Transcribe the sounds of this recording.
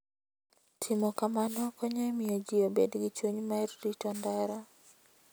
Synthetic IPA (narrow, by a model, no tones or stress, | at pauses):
tʰɪmɔkamanɔkɔɲamɪjɔd͡ʒɪobedɡɪt͡ʃwoɲmaɛrɾitɔndaɾa